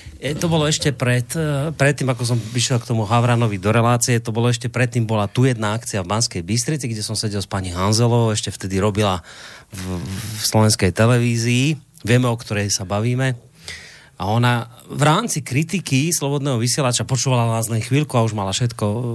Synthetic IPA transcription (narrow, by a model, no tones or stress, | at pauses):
ɛt̪ɔbɔlɔɛʃcɛpɾɛt̪pɾɛt̪ːiːmakɔs̬ɔmpɾiʃjɛlkt̪ɔmuɦaʋɾanɔʋid̪ɔɾɛlaːt͡siɛt̪ɔbɔlɔɛʃcɛpɾɛt̪ːiːmbɔlat̪uːjɛd̪naakt͡siavbanskɛjbist̪ɾit͡siɡɟɛsɔmsɛɟɛlspaɲiɦanzɛlɔʊɛʃcɛft̪ɛd̪iɾɔbila | slɔʋɛnskɛjt̪ɛlɛʋiːziː | ʋɪɛmɛɔkt̪ɔɾɛjsabaʋiːmɛ | aɔna | vɾaːmt͡sikɾit̪ikislɔbɔd̪nɛːɦɔʋisɪɛlat͡ʃapɔt͡ʃuːʋalalaːznɛjxʋiːlkuauʒmalafʃɛt̪kɔ